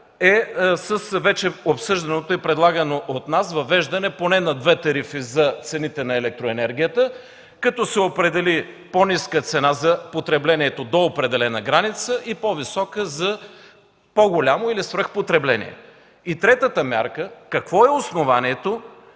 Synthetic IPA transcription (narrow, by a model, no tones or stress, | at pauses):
ɛsəsvɛt͡ʃɛopsɤʒd̪ɐnot̪oipɾɛd̪lˠaɡənoʔot̪nasvɐvɛʒd̪ɐnɛponɛnɐd̪vɛt̪ɐɾifizɐt̪sɛnit̪ɛnɐɛlɛk̚t̪ɾoɛnɛɾɡʲijət̪ə | kɐt̪ɔsɛopɾɛd̪ɛli | poniskət̪sɛnazɐpot̪ɾɛblɛniɛt̪od̪oːpɾɛd̪ɛlɛnəɡɾanit̪səʔipovisɔkəzɐ | poɡolʲamoilisvɾəxpot̪ɾɛblɛnḭɛ̰ | it̪ɾɛt̪ət̪əmʲja̰ɾkəkɐkvɔɛosnovaniɛt̪o